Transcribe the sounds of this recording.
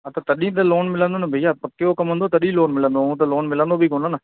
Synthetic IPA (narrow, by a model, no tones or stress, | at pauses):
ət̪ãːt̪əɗĩːt̪ãːloːnmɪlãnd̪oːnabʱejaːpəkːeoːkəmə̃nd̪oːt̪əɗĩːloːnmɪlãnd̪oːũːt̪̬aːloːnmɪlãnd̪oːbiːkoːnãːnaː